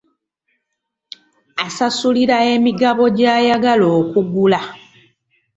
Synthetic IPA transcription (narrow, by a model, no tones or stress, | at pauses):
asasuliɾae̞miɡaβo̞ɟaːjaɡalo̞ːkuɡula